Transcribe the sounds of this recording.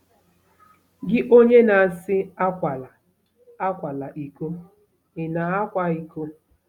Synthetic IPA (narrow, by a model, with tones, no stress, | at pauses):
ɡɪ˦ʔo˦ɲe˦na˨sɪ˦a˦kʷa˨la˨ | a˦kʷa˨la˨ʔi˨ko˦ | ɪ˨na˨a˦kʷa˦i˨ko˦